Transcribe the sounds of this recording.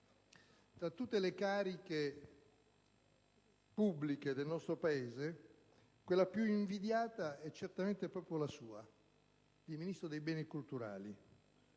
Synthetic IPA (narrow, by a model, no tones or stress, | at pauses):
t̪ɾat̪ːut̪ːelekaːɾike | pubːliked̪elnɔst̪ɾopaeːze | kwelːapjuiɱvid̪jaːt̪aɛt͡ʃːert̪ament̪epɾɔːpɾjolasuːa | d̪iminist̪ɾod̪ejbɛːnikult̪uɾa̰ːli